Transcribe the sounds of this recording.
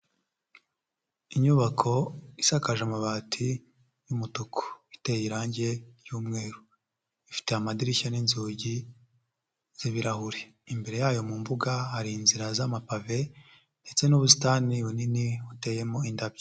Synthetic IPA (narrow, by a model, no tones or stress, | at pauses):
iɲuβakʰo̞isakaʒamaβaːtʰi | jumutukʰo̥ite̞jiɾaːɲɟe̞ɾjuːmŋe̞ːɾu | ifi̥te̞amadiɾiçaninzuːɟi | z̥iβiɾahuɾe | imbe̞ɾe̞jaːjo̞muɱvuɡahaɾiːnziɾazamapave̞ | nde̞t͡se̞nuβusi̥taːniwuniniute̞ːje̞mo̞indabje